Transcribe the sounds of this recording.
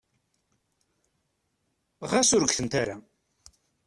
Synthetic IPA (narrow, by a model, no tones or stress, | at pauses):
ʁasʊɾəɡθənt̪aɾa